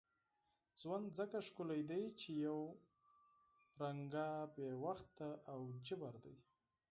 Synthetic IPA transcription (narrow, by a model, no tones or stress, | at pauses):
z̥wand̪zəkaʂkʊlajd̪ajt͡ʃejaw | ɾaŋɡabewaxt̪ːaʔawd͡ʒəbaɾd̪aj